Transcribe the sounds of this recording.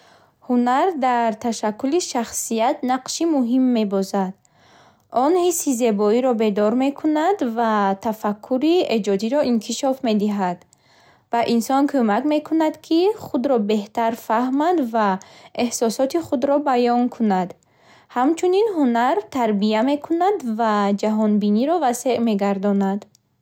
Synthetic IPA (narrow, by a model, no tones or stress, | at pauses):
hunaɾd̪aɾt̪ʰaʃakːuliʃaχsijat̪naqʃimuɦimːe̞bɔzad̪̥ | ɔnhisːizebɔiɾɔbe̞d̪ɔɾme̞kʰunad̪vat̪ʰafakʰːuɾied͡ʒɔd̪iɾɔʔinkʰiʃɔfme̞d̪iɦad̪ | b̥aʔinsɔnkʰømakme̞kʰunad̪kʰiχud̪ɾɔbe̞ht̪aɾfahmad̪vaehsɔsɔt̪iχud̪ɾɔbajɔŋkʰunad̪ | hamt͡ʃʰuninɦunaɾt̪ʰaɾbiame̞kʰunad̪vad͡ʒaɦɔnbiniɾɔvase̞ʔme̞ɡaɾd̪ɔnad̪